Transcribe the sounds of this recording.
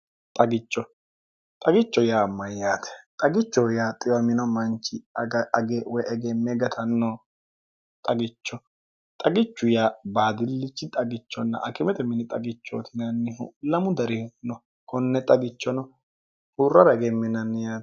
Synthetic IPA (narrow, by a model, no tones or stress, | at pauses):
t̪ʼɐɡɪt͡ʃːɔ | t̪ʼɐɡɪt͡ʃːɔjaːmːɐjːaːt̪ɛ̥t̪ʼɐɡɪt͡ʃːɔjaːt̪ʼɪwɐmɪnɔmɐnt͡ʃːɪɡɡewɔʔɛɡɛmːɛɡɐt̪ʰɐnːɔ | t̪ʼɐɡɪt͡ʃːɔ | t̪ʼɐɡɪt͡ʃːʊjabaːd̪ɪlːɪt͡ʃːɪt̪ʼɐɡɪt͡ʃːɔnːɐ̰ʔɐkɪmɛt̪ɛmɪnɪt̪ʼɐɡɪt͡ʃːo̰t̪ʰɪnɐnːɪhṵlːɐmʊd̪ɐɾɪnɔ | kɔnːɛt̪ʼɐɡɪt͡ʃːɔnɔ | hurːɐɾɐɛɡɛmːɪnɐnːɪjaː